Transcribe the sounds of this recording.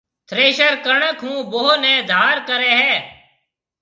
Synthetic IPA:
t̪ʰɾeːʃəɾkəɳəkɦũːboɦonɛ̃ːd̪ʱaːɾkəɾɛːɦɛː

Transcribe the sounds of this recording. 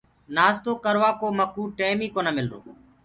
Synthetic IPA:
naːst̪oːkəɾʋaːkoːməkuːʈeːmiːkoːnəmɪlɾo̰ː

